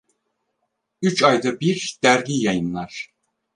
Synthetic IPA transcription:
yt͡ʃʰajd̪abiɾd̪̥æɾɡʲijajɯnlˠaɾ̥

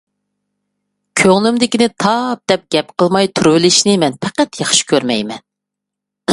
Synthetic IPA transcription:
kʲʰøŋlymd̪ɪkʲinɪt̪ʰɑp̚d̪̥ɛp̚ɡ̥ʲɛpqʰəlˠmɑjt̪ʰuɾwɪlɪʃnɪmɛnpʰɛqæt̪jɑχʃi̥kʲʰøɾmɛjmɛn

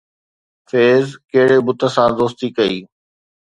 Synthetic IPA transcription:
feːzkeɦɪɽebʊt̪ə̆sãːd̪oːst̪ikɐiː

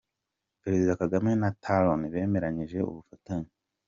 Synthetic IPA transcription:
peɾezidakaɡamenatʰaloniβe̞ːme̞ɾaɲiʒe̞ṵβufataɲi

